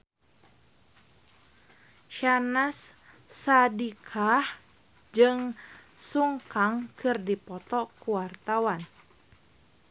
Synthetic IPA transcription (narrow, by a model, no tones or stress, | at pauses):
ʃanasː | adikʰah | d͡ʒɨŋ | suŋkaŋkɨrdipɔt̪ɔkuwart̪awan